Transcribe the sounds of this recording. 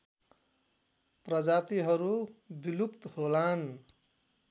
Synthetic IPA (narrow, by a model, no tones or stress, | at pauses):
prʌd͡zat̪iɦʌɾubilupt̪holan